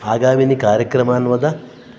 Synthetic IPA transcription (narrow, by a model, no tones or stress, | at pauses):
aːɡaːminikaːɾjɐkɾɐmaːnʋɐd̪ɐ